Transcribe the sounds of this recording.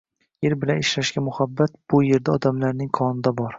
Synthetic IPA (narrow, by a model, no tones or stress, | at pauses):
jeɾbɪlanɪʃɾaʃɡʲamʊhabːat̪b̥ʊje̞ɾd̪aɒd̪amlaɾnɪŋqʰɒnɪd̪abɒɾ